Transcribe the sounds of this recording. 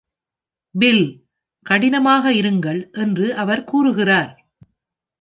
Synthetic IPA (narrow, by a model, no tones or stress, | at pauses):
bɪl | kɐɽɪnɐmaːɣɐɪɾɯŋɡɐɭʔɛndrɯʔɐʋɐɾkuːrɯɣɪraːɾ